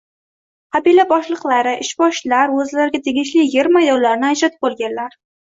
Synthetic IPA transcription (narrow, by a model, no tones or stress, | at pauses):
qabilabɒʃlˠɨqlˠaɾɪʔɪʃbɒʃlaɾɵzlaɾɡʲat̪ʰe̞ɡʲɪʃlɪjeɾmajd̪ɒllːaɾnɪad͡ʒɾat̪b̚bolˠɡʲanlaɾ